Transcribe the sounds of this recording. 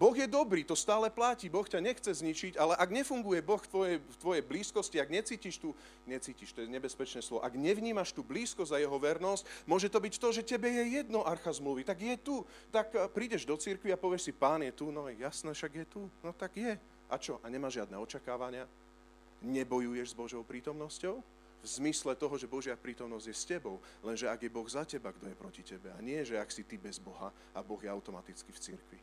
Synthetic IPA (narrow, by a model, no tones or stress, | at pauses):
bɔɣjɛd̪ɔbɾiːt̪ɔst̪aːlɛplaciːbɔxcaɲɛxt͡sɛzɲit͡ʃicalɛʔaɡɲɛfuŋɡujɛbɔxft̪ʋɔjɛjft̪ʋɔjɛjbliːskɔsciaɡɲɛt͡siːciʃt̪u | ɲɛt͡siːciʃt̪ɔjɛɲɛbɛspɛt͡ʃnɛːslɔʋɔ̰ʔaɡɲɛʋɲiːmaʃt̪uːbliːskɔzajɛɦɔʋɛɾnɔscmʊɔʒɛt̪ɔbicft̪ɔʒɛcɛbɛjɛjɛd̪nɔʔaɾxazmluʋit̪aɡjɛt̪u | t̪akpɾiːɟɛʒd̪ɔt͡siɾkʋiapɔʋɪɛʃsipaːnjɛt̪unɔjɛjasnɛːʃaɡjɛt̪unɔt̪aɡjɛ | ʔat͡ʃɔʔaɲɛmaːʒʒɪad̪nɛːɔt͡ʃakaːʋaɲɪa | ɲɛbɔjujɛʒzbɔʒɔʊpɾiːt̪ɔmnɔscɔʊ | vzmislɛt̪ɔɦɔʒɛbɔʒɪapɾiːt̪ɔmnɔzɟjɛscɛbɔʊlɛnʒɛaɡjɛbɔɣzacɛbaɡd̪ɔjɛpɾɔcicɛbɛa̰ɲɪɛʒɛaksit̪ibɛzbɔɦa | abɔɣjɛaʊt̪ɔmat̪it͡skift͡sḭɾkʋi